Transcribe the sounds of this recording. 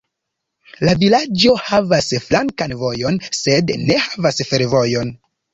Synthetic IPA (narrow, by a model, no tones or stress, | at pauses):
lavilad͡ʒo̞havasflaŋkanvo̞jo̞nse̞dne̞hḁvasfeɾvo̞jo̞n